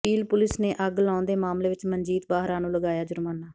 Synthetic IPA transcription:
pʰiːlpʊlɪsneːʔəɡlãːnd̪eːmaːmleːʋɪt͡ʃməɲd͡ʒiːt̪baːɦɾãːnũːləɡaːjaːd͡ʒʊɾmaːnːaː

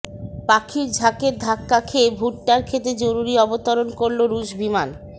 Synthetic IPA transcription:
pakʰiɾd͡ʑʱakeɾd̪ʱakːakʰebʱuʈːaɾkʰet̪̬ɾed͡ʑoɾuɾiɔbot̪oɾonkoɾloɾuʃbiman

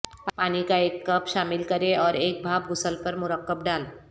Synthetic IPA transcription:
ppaːnikaeːkːəpʃaːmɪlkəɾeɔːɾeːk̚bʱaːb̚ɡʊsəlpəɾmʊɾəkːəb̚ɖaːl

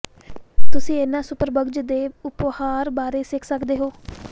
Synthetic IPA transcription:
t̪ʊsĩːɪnãːsʊpəɾbəɡd͡ʒd̪eːʊphaːɾbaːɾeːsɪkʰsəkd̪eːɦoː

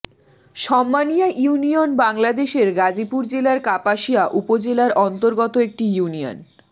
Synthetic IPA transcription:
ʃɔmːanijaʔuunionbaŋlad̪eʃeɾɡad͡ʑipuɾd͡ʑelaɾkapaʃijaʔupod͡ʑelaɾʔɔnt̪oɾɡɔt̪oek̚ʈijunio̰n

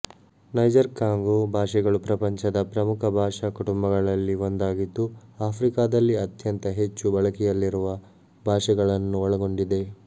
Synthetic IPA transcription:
nɐjd͡ʒɐɾkaːŋɡobʱaːʂɛɡɐɭupɾɐpɐɲt͡ʃɐd̪ɐpɾɐmukʰɐbʱaːʂɐkuʈumbɐɡɐɭɐlːiond̪aːɡid̪ːuaːpʰɾikaːd̪ɐlːiɐt̪jɐnt̪ɐɦe̞t͡ʃːubɐɭɐkɛjɐlːiɾuʋɐ | bʱaːʂɛɡɐɭɐnːuɔɭɐɡo̞ɳɖid̪e̞

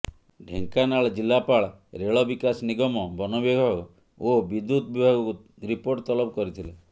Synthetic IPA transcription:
ɖʱḛŋkanaɭd͡ʒilːapaɭ | ɾeɭɔbikasniɡɔmɔbɔnɔbeɡʱɔɡ | obid̪ːut̪bibʱaɡɔku | ɾipoɾʈt̪ɔlɔpɔkɔɾit̪ʰile

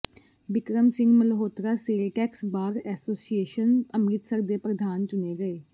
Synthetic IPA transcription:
ʋɪkɾəmsɪ̃ŋɡmələɦoːt̪ɾaːseːlʈɛːksbaːɾɛːsoːsieːʃənəmɾɪt̪səɾd̪eːpɾəd̪ʱaːnt͡ʃʊneːɡəeː

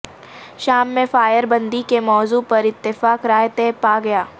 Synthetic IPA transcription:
ʃaːmːẽfaːjəɾbɐ̃nd̪ikemɔːzuːpɐɾɪt̪ːɪfaːkɾaːjt̪eːpaːɡɐjaː

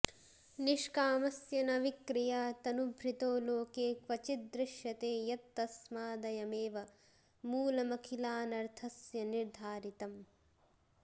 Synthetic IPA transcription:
niʂkaːmɐsjɐnɐʋikɾijaːt̪ɐnubʱɾit̪oːloːkeːkʋɐt͡ʃit̪̚d̪ɾɪʃjɐt̪eːjɐt̪ːɐsmaːd̪ɐjɐmeːʋɐ | muːlɐmɐkʰilaːnɐɾt̪ʰɐsjɐniɾd̪ʱaːɾit̪ɐm

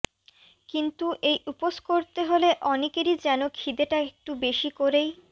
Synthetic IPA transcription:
kint̪uʔejuposkoɾt̪eɦoleʔɔnekeɾid͡ʑɛnokʰid̪eʈaek̚ʈubeʃikoɾej

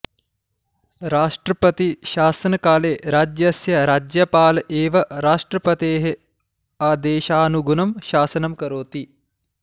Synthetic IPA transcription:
ɾaːʂʈɾɐpɐt̪iʃaːsɐnɐkaːleːɾaːd͡ʒjɐsjɐɾaːd͡ʒjɐpaːlɐʔeːʋɐɾaːʂʈɾɐpɐt̪eːɦe | aːd̪eːʃaːnuɡunɐmʃaːsɐnɐmkɐɾoːt̪i

